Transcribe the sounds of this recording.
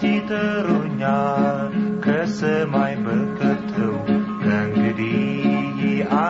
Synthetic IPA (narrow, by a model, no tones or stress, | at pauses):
it̪əɾuɲa | kəsəmajbəkət̪ʰəw | nəŋɡədi | ʔa